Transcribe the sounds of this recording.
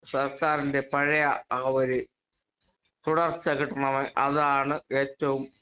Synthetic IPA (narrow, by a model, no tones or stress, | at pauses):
sɐrkaːɾinde̞pɐɻɐjɐɐʋoɾɨ | t̪uɽɐrt͡ɕːɐkiʈːɐɳɐʋɐʔɐðaːɳɨeːtːɐʋum